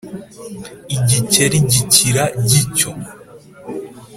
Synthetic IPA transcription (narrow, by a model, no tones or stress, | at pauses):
iɟiceɾiɟiciɾaɟico